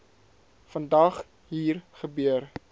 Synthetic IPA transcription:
fəndɐχ | ɦiːrχəbøər

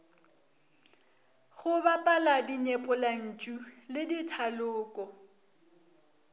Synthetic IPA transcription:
ɣʊbapʼaladiɲɛpʼʊlan̩t͡ʃʼulɪditʰalʊːkʼɔ

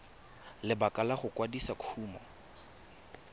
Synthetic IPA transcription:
lɪbakʼalaχʊkʼwadisakʰuːmɔ̰

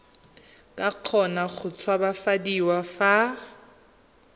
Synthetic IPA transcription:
kʼaq͡χʰɔnaχʊt͡sʰwabafadiwafa

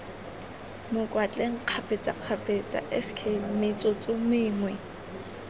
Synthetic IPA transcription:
mʊkʼwat͡ɬʼeŋ̩q͡χʰapʼet͡sʼa̰q͡χʰapʼet͡sʼa̰ʔɛskʰemɪt͡sʼot͡sʼʊmɪːŋwɛ

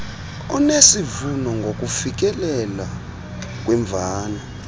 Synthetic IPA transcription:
ɔnesivunɔŋɡʱok̬ʼufik̬ɛlɛla | k̬ʼwɛɱb̪vʱaːnɔ

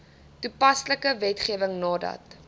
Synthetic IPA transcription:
tupɐsləkəvɛtχiəvəŋnɑːdɐ̰t̚

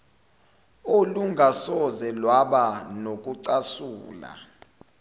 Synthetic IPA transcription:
oluŋɡʱasɔzɛlwaɓanok̬ʼuǀasuːla̰

